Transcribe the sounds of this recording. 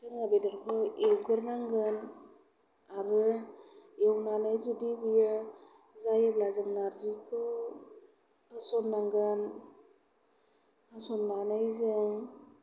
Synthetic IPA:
tɯŋabedɯɾkʰɯewɡɯɾnaŋɡɯn | aɾɯ | ewnanajzudibɯjɯ | zajɯblazɯŋnaɾzikʰɯ | tasɔnːaŋɡɯn | asɔnːanajzɯŋ

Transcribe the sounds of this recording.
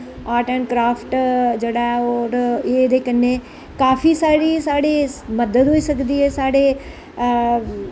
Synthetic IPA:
aːʈɛːɳkɾaːpʰʈd͡ʒeːɽaːɛɔːɾeːd̪eːkəneː | kaːpʰiːsaːɽiːsaːɽeːməd̪əd̪ɦoːiːsəkd̪iːɦɛːsaːɽeː

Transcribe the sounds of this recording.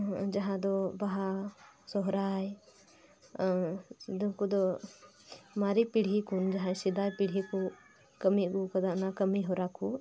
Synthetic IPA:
d͡ʒɐɦãd̪ɔbaɦasɔɦɾaj | d̪ɔkud̪ɔ | maɾipiɽ̤ikund͡ʒaɦãsid̪ajpiɽ̤ɦiku | kɐmikukɐd̪aʔnakɐmiɦɔɾaku

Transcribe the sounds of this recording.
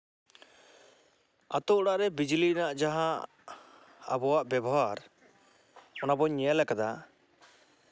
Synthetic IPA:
a̰t̪ɔʔɔɽaʔɾɛbid͡ʒlinaʔd͡ʒaɦa | a̰bɔwaʔbjɛbɔɦaɾ | ɔnabɔɲɛalɛkad̪a

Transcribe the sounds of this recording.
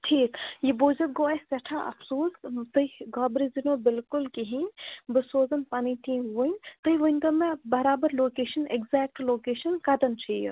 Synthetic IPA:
ʈʰiːkjiboːd͡ʒɐt̪̚ɡoːeseʈʰãʔɐ̰fʰsoːst̪ɨiɡɔːbɾizinõbɪlkʊlkiɦĩbɨsoːzɐnpaːnit̪ʰĩːuənt̪ɨiʋənʲd̪ɐmẽbɐɾaːbɐɾloːkeːʃɐneɡzɛːk̚ʈloːkeːʃɐnkɐd̪ɐnt͡ʃʰij̰

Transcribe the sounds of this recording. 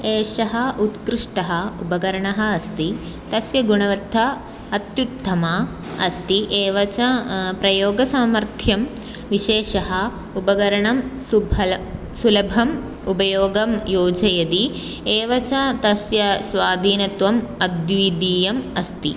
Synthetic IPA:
eːʃɐɦɐʔut̪kɾɪʂʈɐɦɐubɐɡɐɾɐɳɐɦɐ̆ːst̪i | t̪ɐsjɐɡuɳɐʋɐd̪ʱːɐ | ɐt̪jut̪ʰːɐmɐ | ɐst̪iʔeːʋɐt͡ʃɐpɾɐjoːɡɐsaːmɐɾt̪ʰjɐm | ʋiʃeːʃɐɦɐ | ubɐɡɐɾɐɳɐmsubʱɐ | sulɐbʱɐm | ubɐjoːɡɐmjoːd͡ʒɐjɐd̪i | eːʋɐt͡ʃɐt̪ɐsjɐsʋaːd̪ʱiːnɐt̪ʋɐmɐd̪jiːd̪iːjɐmɐst̪ḭ

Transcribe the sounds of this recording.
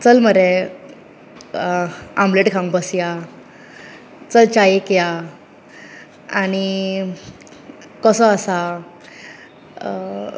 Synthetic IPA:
t͡səlməɾe | ãmbleʈkʰãŋɡbəsja | t͡səlt͡ɕajekja | aɽ̃i | kɔsɔasa

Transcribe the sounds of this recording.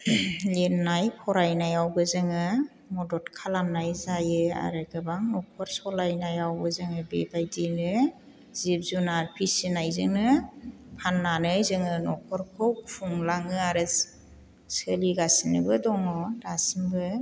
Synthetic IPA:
lenːajpʰɔɾajnajawbɯzɯŋɯ | mɔdɔtkʰalamnajzajɯa̰ɾɯɡɯbaŋnɔk̚ʰɔɾsɔlajnajawbɯzɯŋɯbebajdinɯ | zip̚zunaɾpʰisinajzɯŋnɯpʰanːanɯjzɯŋɯnɔk̚ʰɔɾkʰɔwpʰuŋlaŋɯaɾɯ | sɯliɡasinɯbɯdɔŋɔɾasimbɯ

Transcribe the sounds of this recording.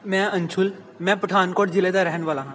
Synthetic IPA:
mɛ̃ːənt͡ʃʰʊl | mɛ̃ːpəʈʰaːnkɔːʈ̚d͡ʒɪleːd̪aːɾɛɦənʋaːlãːɦãː

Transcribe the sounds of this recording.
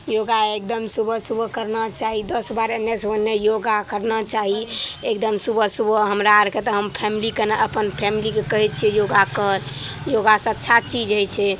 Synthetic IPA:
joɡaek̚d̪əmsubʱəsubʱəkəɾnat͡ʃaɦid̪əsbaɾenːesənːejoɡakəɾnat͡ʃaɦiekd̪əmsubʱəsubʱɦəmɾaɾket̪ɔɦəmpʰɛmilikeneʔəpənpʰɛmilikekəɦɛt̪̚t͡ʃʰiɛjoɡakəɾjoɡasə̃ətːʃʰat͡ʃid͡ʒəjt͡ʃʰɛ

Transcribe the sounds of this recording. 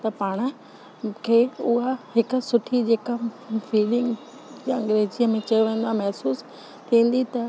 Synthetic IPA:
t̪ɐpaːɽ̃ə̆ | kʰeːʊɦahɪkʊ̆sʊʈʰid͡ʑeːkafiːlɪ̃ŋɡ | ɐ̃ŋɡɾeːziəmẽt͡ɕɐjoʋẽːn̆d̪oãːmɐɦsuːs | t̪ʰĩːn̆d̪it̪ɐ

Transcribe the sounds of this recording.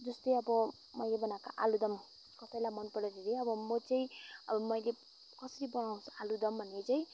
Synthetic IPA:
d͡zʌst̪ʌjʌbʌ | mʌjlebʌnakaʔa̰lud̪ʌm | kʌt̪ʌjlamʌnpʌɽʌɾeɾeʌbʌmʌt͡sʌĩmʌjle | kʌsʌɾibʌnaw̃salud̪ʌmbʱʌnet͡sʌĩ

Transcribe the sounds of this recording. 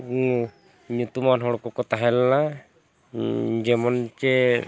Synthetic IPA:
u | ɲut̪umanɦɔɽkɔkɔt̪aɦɛlna | d͡ʒɛmɔnt͡ʃɛ

